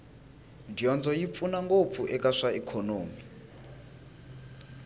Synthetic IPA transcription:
dijɔnd͡zɔjip̪funaŋɡop̪fuʔɛkaʂaikʰɔnoːmi

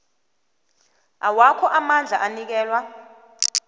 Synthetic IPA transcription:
awakʰɔʔamand͡ɮʱaʔanik̬ɛːlwa

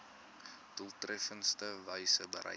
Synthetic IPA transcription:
d̥ulˠtrɛfənstəvəjsəbə̰ɾʔɛ̰

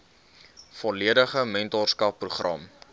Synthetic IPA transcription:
fɔliədəχəmɛntɔrskɐpːruχrɐ̰m

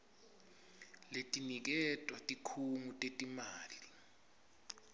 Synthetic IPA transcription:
letʼinik̬ɛtʼwatʼikʰuŋutʼetʼimaːli

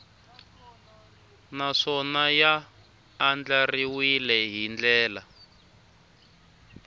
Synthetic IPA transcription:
naʂɔnajaː | nd͡ɮariwilɛɦind͡ɮɛːla

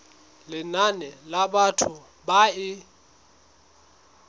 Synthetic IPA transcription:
lɪnanɛlabatʰʊ | baɪ

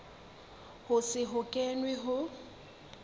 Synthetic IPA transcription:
hʊsɪɦʊkʼɛnwɛɦʊ

